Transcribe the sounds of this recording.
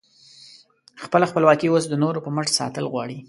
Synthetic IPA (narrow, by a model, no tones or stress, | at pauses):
xpəlaxpəlwɑkiwosd̪ənoɾopəməʂsɑ̰t̪əlɣwɑɽi